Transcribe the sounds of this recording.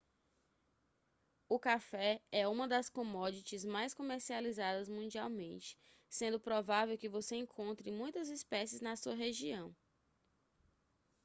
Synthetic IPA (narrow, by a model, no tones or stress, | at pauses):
ʊkafɛɛũmɐd̪ɐskõmɔd͡ʒit͡ʃɪzmajskõmeɾsializad̪ɐzmũd͡ʒiawmẽnt͡ʃɪ̥ | sẽnd̪ʊpɾɔvavewkɪvoseẽŋkʰõnt̪ɾɪ̃mũj̃t̪ɐzispɛsɪznɐsuɐɦeʒiɐ̃w̃